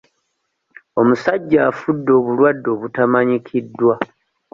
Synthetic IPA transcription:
o̞musaɟːaːfudːoːβulwadːo̞ːβutamaɲikʰidːwa

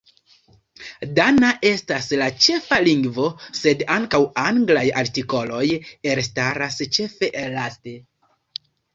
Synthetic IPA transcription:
danaʔe̞staslat͡ʃe̞faliŋɡvo̞se̞daŋkawaŋɡlajaɾtiko̞lo̞je̞ɾstaɾast͡ʃe̞fe̞ʔelate̞

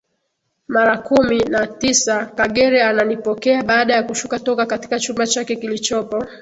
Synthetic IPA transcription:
maɾakuminatisakaɠɛɾɛananipɔkɛaɓaːɗajakuʃukatɔkakati̥kat͡ʃumbat͡ʃakɛkilit͡ʃɔpɔ

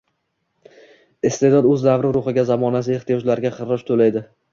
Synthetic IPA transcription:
ɪst̪e̞d̪ɒd̪ɵzlavɾɪɾʊχɪɡʲazamɒnas̬ɪe̞χt̪ʰɪjɒd͡ʒlaɾɡʲaqɨɾɪʃt̪ʰolajd̪ɪ

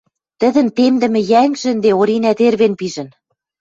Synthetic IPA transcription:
t̪ə̆ðə̆nt̪emd̪ɘ̆mɘ̆jæŋʒɘ̆nd̪eoɾinæt̪erβenpiʒɘ̆n

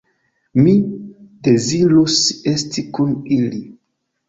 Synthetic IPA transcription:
mide̞ziɾuse̞stikunili

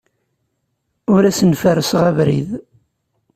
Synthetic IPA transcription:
ʊɾæsənfəɾəsʁævɾḭð

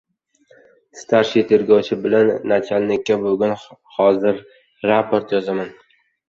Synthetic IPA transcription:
st̪ʰaɾʃit̪ʰeɾɡɒwt͡ʃʰɪbɪlanːat͡ʃʰalnɪkʲːabʊɡʲʊnhɒzɪɾ | ɾapʰoɾt̪jɒzaman

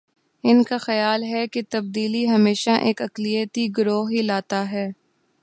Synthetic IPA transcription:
ɪnkaxɐjaːlɦɛket̪ɐb̚d̪iːliɦɐmeːʃaʔeːkɐklijət̪iɡʊɾoːɦilaːt̪aɦɛː

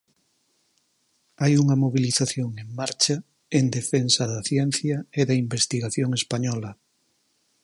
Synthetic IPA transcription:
ajuŋɐmoβiliθaθjoŋeŋmaɾt͡ʃɐ | end̪efensɐðɐθjɛnθjɐeðɐimbest̪iɣaθjoŋespaɲɔlɐ

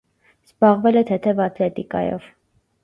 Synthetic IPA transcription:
z̥bɑʁvɛlɛt̪ʰɛt̪ʰɛvɑt̪lɛt̪ikɑ̰jɔ̰v̥

